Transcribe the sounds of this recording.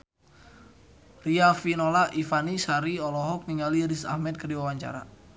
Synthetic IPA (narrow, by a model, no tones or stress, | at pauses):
riafinolaʔifanisaɾiɔlɔɦɔk̚niŋaliɾisa̰hmɛt̪̚kərdiwawaɲt͡ʃa̰ɾa̰